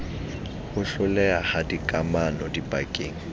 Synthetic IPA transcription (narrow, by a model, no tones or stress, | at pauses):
hʊɬʊlɛahadikʼamanɔdipʼakʼeːŋ̩